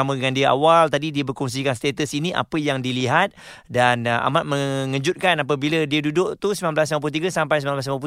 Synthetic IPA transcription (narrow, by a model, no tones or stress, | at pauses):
amə̃əŋandiəʔa̰walt̪adidiəbərkuŋs̬ikanst̪et̪əsiniʔa̰pəjaŋdiliɦat̪̚ | danʔa̰mat̪̚məŋə̃d͡ʒut̪̚kanap̬əbiladiədudʊʔt̪usmãnmblas̬amamp̬ut̪iɡasampajsəmnanblasmãp̬u